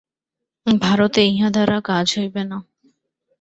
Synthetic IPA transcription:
bʱaɾot̪eejɦãd̪ʱaɾakad͡ʑɦojbena

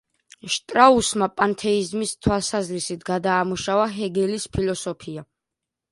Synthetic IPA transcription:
ʃt̪ʼɾausmapʼant̪ʰɛizmist̪ʰwalˠsazɾisit̪ʰɡad̪aːmuʃavaɦɛɡɛlispʰilɔsɔpʰia

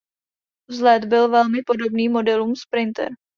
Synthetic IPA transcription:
vzlɛd̪bɪlvɛlmɪpo̞do̞bniːmo̞dɛluːmspɾɪnt̪ɛ̰ɾ

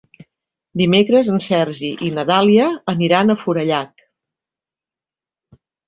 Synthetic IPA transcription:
d̪imekɾəzənsɛɾʒiʔinət̪aliəːniɾanəfuɾəʎak

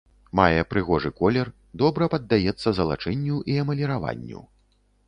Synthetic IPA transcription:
majɛpɾɨɣɔʐɨkɔlʲɛr | d̪ɔbɾɐpɐd̪ːajɛt̪sːɐzɐlˠa̰t͡ʂɛnʲːuʔiɐmɐlʲɛɾava̰nʲːṵ

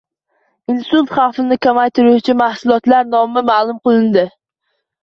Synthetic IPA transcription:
ɪnsʊlˠt̪χɑfɪnɪkʰʲamajt̪ʰɪɾʊʊt͡ʃʰɪmahsʊlˠɒt̪laɾnɒmɪmaːlˠʊmqɨlˠɪnd̪ɪ

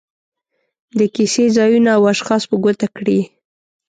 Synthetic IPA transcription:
d̪əkisezɑjunaːwaʃxɑspəɡot̪akɽi

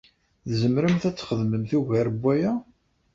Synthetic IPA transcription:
ðzəmɾəmθæt͡sːχəðməmθiʝæɾbʷːæjæ

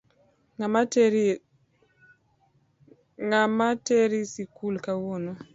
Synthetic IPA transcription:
a | ŋamateɾisikulkawono

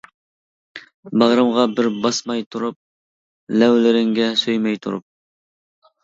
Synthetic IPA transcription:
bɑʁɾɨmʁɑbɪɾbɑsmɑjt̪ʰuɾup̚ | lɛwlɪɾɪŋɡʲɛsøjmɛjt̪ʰuɾṵp̚

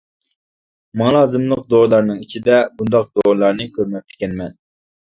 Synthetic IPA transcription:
mɑlˠɑːzɨmlˠəq̚d̪olˠɑɾnɨŋit͡ʃʰid̪ɛbund̪ɑq̚d̪olˠɑɾnɨkʲʰøɾmɛp̚ʲt̪ʰɪ̥kʲɛnmɛn

